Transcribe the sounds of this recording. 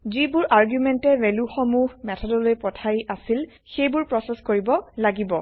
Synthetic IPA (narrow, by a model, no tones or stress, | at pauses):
zibʊɹʔaɹɡjumɛntɛvɛluxɔmuɦmɛtʰɔdɔlojpɔtʰajasil | xejbʊɹpɹɔsɛskoɹibɔlaɡibɔ